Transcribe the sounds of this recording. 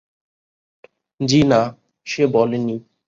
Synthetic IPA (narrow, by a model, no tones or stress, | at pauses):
d͡ʑina | ʃebɔleni